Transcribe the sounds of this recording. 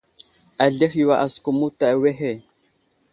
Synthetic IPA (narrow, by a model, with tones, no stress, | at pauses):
a˨ɮe˦xjwa˨ʔa˨sku˨mu˦ta˨we˦ɦe˦˨